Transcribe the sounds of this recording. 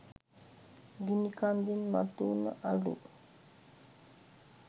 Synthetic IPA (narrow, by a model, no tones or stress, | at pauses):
ɡinikand̪inma̰t̪unə̰ʔalṵ